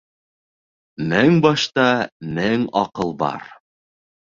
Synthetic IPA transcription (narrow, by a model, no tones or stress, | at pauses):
næŋbɑʃt̪ɑnæŋɒqɤlˠbɑ̰ɾ